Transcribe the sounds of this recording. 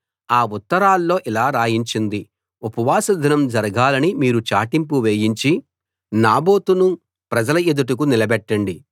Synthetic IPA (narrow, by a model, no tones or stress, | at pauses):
aːut̪ːɐɾaːlːo̞ːʔilaːɾaːjiɲt͡ʃind̪i | upɐʋaːsɐd̪ʱinɐmd͡ʒɐɾɐɡaːlɐnimiːɾut͡ʃaːʈimpuʋeːjiɲt͡ʃi | naːbo̞ːt̪unu | pɾɐd͡ʒɐlɐed̪uʈ̬ɐk̬unilɐbɛʈːɐɳɖi